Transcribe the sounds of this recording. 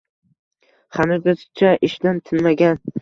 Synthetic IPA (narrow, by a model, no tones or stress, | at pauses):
χanɪɾɡʲasɪ̥t͡ʃʰaʔɪʃd̪ant̪ʰɪnmaɡʲan